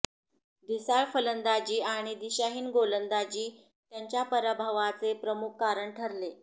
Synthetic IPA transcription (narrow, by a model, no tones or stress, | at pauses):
d̪isaɭfələnd̪ad͡ʑiːaɽ̃id̪iɕaɦiːnɡolənd̪ad͡ʑiː | t̪jaɲt͡ɕjapəɾabʱaʋat͡sepɾəmukʰːaɾəɳʈʰəɾle